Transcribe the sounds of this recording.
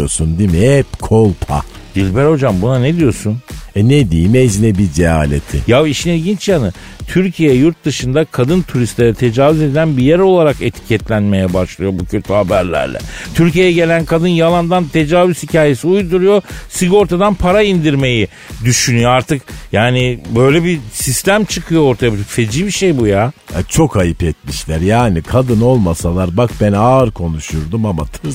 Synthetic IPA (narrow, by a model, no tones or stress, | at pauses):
osund̪imiɛpkʰolˠpʰa̰ | d̪̥ilʲbæɾho̞d͡ʒambunaned̪ijo̞sunɛned̪imeznɛbid͡ʒea̰ːlʲḛt̪ʰɪjaviʃinilʲɟint͡ʃjanɯ | t̪ʰyɾcʰijɛjuɾt̪̚d̪ɯʃɯnd̪akʰad̪ɯnt̪ʰuɾist̪lʲeɾɛt̪ʰe̞d͡ʒaːvyze̞d̪ʲilʲænbijæɾo̞lˠaɾake̞t̪ʰi̥cʰɛt̪lʲænme̞jɛbaʃlˠɯjo̞bucʰø̞t̪ʰyhabæɾlʲæ̰ɾlʲɛ̰t̪ʰyɾcijejɛɟe̞lʲænkʰad̪ɯnjalˠand̪ant̪ʰe̞d͡ʒaːvyzhicaːje̞siujd̪uɾujo̞siɡo̞ɾt̪ʰad̪anpʰaɾaind̪iɾme̞ji | d̪yʃynyjo̞aɾt̪ʰɯkjaːnibø̞jlʲɛbisist̪ʰæmt͡ʃʰɯkʰɯjo̞oɾt̪ʰajabit̪ʰyfe̞d͡ʒiːbiʃejbujaa̰t͡ʃʰo̞kʰajɯpɛt̪̚miʃlʲæɾjaːnikʰad̪ɯno̞lˠmasalˠaɾbakbænaɾkʰo̞nuʃuɾd̪umamat̪ʰɯ